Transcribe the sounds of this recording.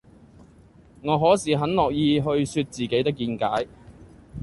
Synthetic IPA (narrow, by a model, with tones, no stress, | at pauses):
ŋɔː˨˧ɦɔː˨˥siː˨ɦɐ˨˥nlɔː˨k̚jiː˧ɦɵ˧ɥsyː˧t̚t͡siː˨˩ke˨˥jt̪ɪ˥k̬ːiː˧nkaː˨˥j